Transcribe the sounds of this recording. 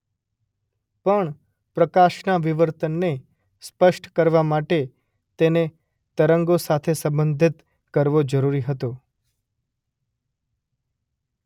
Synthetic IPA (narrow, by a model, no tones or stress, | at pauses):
pəɳ | pɾəkaʃnaʋiʋəɾt̪ənːe | spəʃʈkəɾʋamaʈe | t̪ene | t̪əɾəŋɡosat̪ʰesə̃mbənd̪ʱit̪ | kəɾʋod͡ʒəɾuɾiɦət̪o